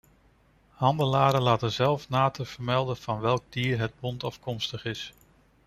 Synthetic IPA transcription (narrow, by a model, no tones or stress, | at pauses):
hɑndəlaːɾəlaːtənzɛlˠfnaːtəv̥əɹmɛlˠdənv̥ɑnʋɛlˠɡ̚diːɹɦəd̚bɔntɑfkɔmstəχɪs